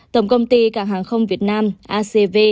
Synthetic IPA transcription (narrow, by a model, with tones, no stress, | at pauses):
t̪ə˨˩wŋ͡mkə˧wŋ͡mt̪i˧kaː˧˥˩kɦhaː˨˩ŋxə˧wŋ͡mvi˨˩ət̚naː˧mʔaː˧se˧ve˧